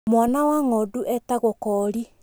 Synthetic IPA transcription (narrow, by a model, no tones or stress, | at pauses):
mwanawaŋɔduʔɛtaɣɔkɔɾi